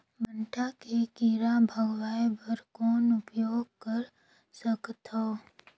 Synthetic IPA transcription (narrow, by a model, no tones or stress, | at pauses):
məɳʈʰakekiɾabʱəɡʋaːebəɾkɔːnʊpjoːɡkəɾ | səkt̪ʰoː